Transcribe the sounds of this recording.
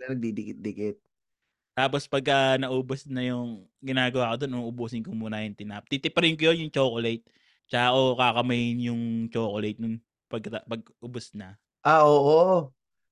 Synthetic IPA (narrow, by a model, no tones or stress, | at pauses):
ɐnɐɡ̚d̪id̪ɪkɪt̪̚d̪ɪkɪt̪̚ | t̪aːpospɐɡ̚kɐnɐʔuːbosnɐjʊŋ | ɡɪnaːɡɐwaːkod̪onʔoʔʊbuːsɪnkomuːnɐjʊnt̪ɪna̰ʔp̚t̪it̪ɪpɐɾɪnkʊjonjʊŋt͡ʃoːkolejt̪̚ | t͡ʃɐʔaːʔokakɐmɐjɪnjʊŋt͡ʃoːkolɐjt̪̚nʊn | pɐɡkːɐt̪ɐpɐɡ̚ʔʊbosnɐ | ʔaʔoːʔo